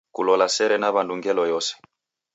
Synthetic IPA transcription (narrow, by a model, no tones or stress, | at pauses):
kṵlɔlasɛɾɛnaβanduŋɡɛlɔjɔsɛ̥